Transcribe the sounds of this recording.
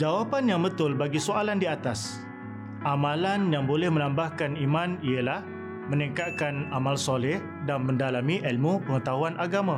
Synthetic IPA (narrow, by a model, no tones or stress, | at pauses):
d͡ʒawapanjaŋbət̪ʊlbaɡisoalandiat̪as | ʔamãlanjaŋbolɛhmə̃nãmbahkanimãniəlah | mə̃nɛ̃ŋkakanamalsolɛh | danmə̃ndalamĩʔəlmupəŋət̪aɦuanʔaɡamã